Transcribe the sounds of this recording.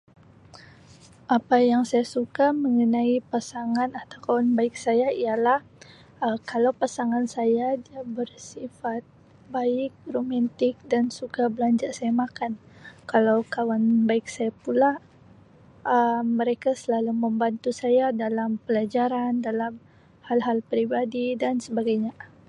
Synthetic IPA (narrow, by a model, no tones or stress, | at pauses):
ʔapajaŋsajasukaməŋənaipasaŋanat̪awkawanbaɪk̚sajaijalah | əkalawpasaŋansajadiabərsifat̪̚ | baɪk̚romant̪ɪk̚dansukabəlaɲd͡ʒaʔsajamakankalawkawanbaɪk̚sajapula | ʔəmːəɾekasəlaluməmbant̪usajadalampəlad͡ʒaɾandalam | halɦalpɾibadidansəbaɡajɲa